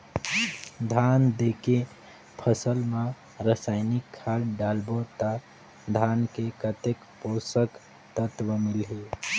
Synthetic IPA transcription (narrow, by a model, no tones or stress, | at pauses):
d̪ʱand̪eke | pʰəsəlma | ɾəsaɪnikʰːalɖalbot̪ə | d̪ʱankekət̪ek | posək | t̪ət̪wəmilɦe